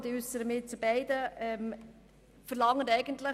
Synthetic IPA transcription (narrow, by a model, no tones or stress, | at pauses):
diʉsəɾəmɪtt͡subɛɪdəʔɛm | fəɾlɑŋːənɛɪɡəntlə